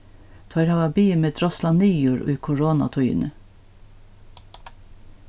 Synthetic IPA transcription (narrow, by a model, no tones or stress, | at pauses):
t̪ʰɑɾhɑːʋɑbiːmeːt̪ʰɾɔslɑniːjuːɹʔʉ̰ːkʰʊɹoːnɑ̰t̪ʰʉʏə̰nə